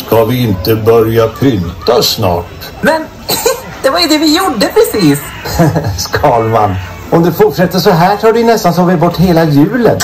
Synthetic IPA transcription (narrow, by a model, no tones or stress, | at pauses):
skʰavɪɪnt̪əbœɾjapʰʏnt̪asnɑ̰ːʈ | mɛn | d̪̥ɛvaɾjɵd̪ɛvɪjʊɖːəpʰɾɛsiːs | skʰɑːlma̰n | ɔmd̪ɛfʊʈʂɛt̪ːəʂɔɦæːʈʰɑːɖɵjnɛst̪ant̪ʰɑːvɪbɔʈːɦeːlajʉ̟ːlə̰n